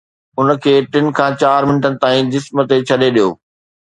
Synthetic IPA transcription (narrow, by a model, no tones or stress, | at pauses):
ʊnəkʰeːʈɪnɪ̆kʰãːt͡ɕaːɾmɪnəʈənɪ̆t̪aːĩd͡ʑɪsmə̆t̪et͡ɕʰɐɗeɗijoː